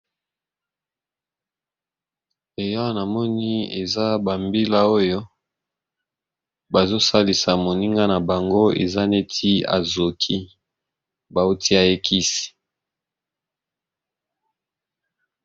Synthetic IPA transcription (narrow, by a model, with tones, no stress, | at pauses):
e˨jɔ˦na˨mɔ˦ni˦ḛ˨za˦ba˨mbi˦la˦o˦jo˦ | ba˨zo˦sa˦li˨sa˨mo˨ni˦ŋɡa˦na˨ba˨ŋɡo˦ḛ˨za˦ne˦tʰi˦a̰˨zo˨kʰi˦ | ba˨o˦tʰi˦a˨je˦kʰi˦si̥˨